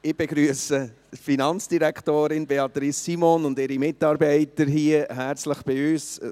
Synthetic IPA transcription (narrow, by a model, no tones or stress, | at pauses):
ɪb̥eɡ̥ɾyəsə | finɑnt͡sd̥iɾæktoːɾɪnbeɑt̪ɾisimonʊndɪɾimɪtɑːɾbɛɪtəɾɦiəɦæɾt͡sləχb̥ɪyːs